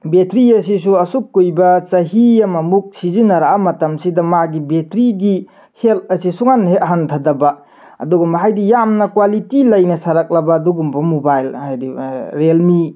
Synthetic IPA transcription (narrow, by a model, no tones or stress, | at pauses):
betɾiɐsisuɐsukːujbɐt͡ʃɐɦijɐmɐmuk̚sizinɐɾaʔamɐtɐmsidɐmaɡibetɾiɡi | helt̚ɐsisuŋanhet̚ɦantʰadɐbɐ | ɐ̰duɡumbɦajdijamnɐkwalitilɐjnɐsaɾak̚lɐbɐːduɡumbɐmobajlhajdiɾelmi